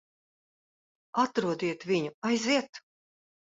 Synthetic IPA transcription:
at̪ɾuɔd̪iɛt̪vʲiɲuajziɛt̪

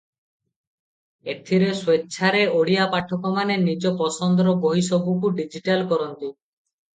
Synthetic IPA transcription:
et̪ʰiɾeswetːʃʰaɾeoɽijapaʈʰɔkɔmanenid͡ʒɔpɔsɔnd̪ɾɔboɦisɔbukuɖid͡ʒiʈalkɔɾɔnt̪i

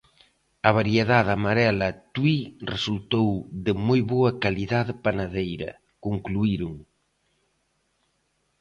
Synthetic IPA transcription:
ɐβaɾjeðaðamaɾɛlɐt̪wiresult̪owðɪmojβoɐkaliðaðpanaðejɾɐ̰ | kuŋkluiɾuŋ

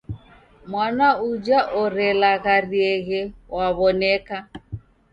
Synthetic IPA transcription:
mwanaud͡ʒaʔɔɾɛlaɣariɛɣɛwaβɔnɛka

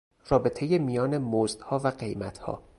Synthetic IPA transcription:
rɒːbe̞t̪ʰe̞jemijɒːne̞mozd̪̥hɒːvæɢe̞jmæt̪ʰhɒ̰ː

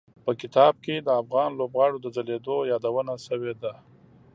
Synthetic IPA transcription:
pəkɪt̪ɑb̚ked̪əafɣɑnlobɣɑɽod̪əzaled̪ojɑd̪awənasəwed̪a

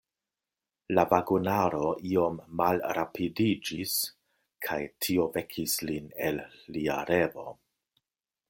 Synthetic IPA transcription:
lavaɡunaɾo̞ʔio̞mːalɾapʰidid͡ʒis | kʰajtʰio̞ve̞kʰisline̞̰lːia̰ɾe̞vo̞̰

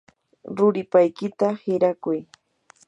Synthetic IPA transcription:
ɾʊɾɪpajkɪt̪ahɪɾakʊj

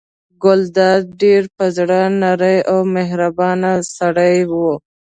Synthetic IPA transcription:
ɡʊld̪ɑd̪̚ɖeɾpəzɽənaɾəjawmeɦɾabɑnasaɽəjwo

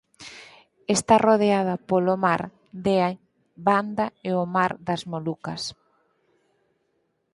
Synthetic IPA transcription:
est̪aroðeað̞ɐpolomaɾ | d̪ea | band̪aeomaɾðɐzmolukɐs

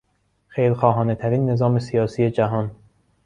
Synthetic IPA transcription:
xejlxɒːɦɒːne̞t̪ʰæɾiːnːe̞zɒːme̞sijɒːsiːed͡ʒæɦɒːn

